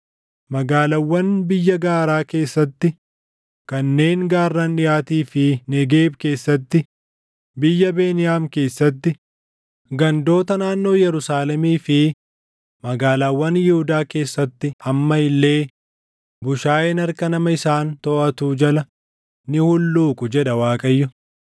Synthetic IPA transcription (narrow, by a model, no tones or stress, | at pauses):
mɐɡaːlɐwːɐnbɪjːɐɡaːɾaːke̞ːsːɐt̪ːɪ | kɐnːe̞ːŋɡaːrːɐnᶑɪjaːt̪iːfɪnɛɡe̞ːbke̞ːsːɐt̪ːɪ | bɪjːɐbe̞ːnɪjaːmke̞ːsːɐt̪ːɪ | ɡɐnd̪o̞ːt̪ɐnaːnːo̞ːjɛɾʊsaːlɛmiːfɪ | mɐɡaːlaːwːɐnjɪhʊd̪aːke̞ːsːɐt̪ːɪhɐmːɐɪlːe̞ː | bʊʃaːʔɛnɐɾkɐnɐmɐɪsaːnt̪ɔʔɐt̪uːd͡ʒɐlɐ | nɪhʊlːuːkʼʊd͡ʒɛᶑɐwaːkʼɐjːʊ